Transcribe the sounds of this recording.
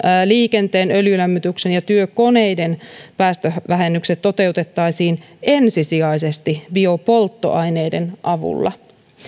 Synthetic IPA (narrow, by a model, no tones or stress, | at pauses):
liːke̞nt̪e̞ːnøljylæmːyt̪yksenjɑt̪yøko̞ne̞jde̞npæːst̪øʋæɦe̞nːykset̪ːo̞t̪e̞ut̪e̞t̪ːɑjsiːn | e̞nsisiɑjse̞st̪ibio̞po̞lt̪ːo̞̰ʔɑjne̞jdenʔɑʋṵlːɑ̰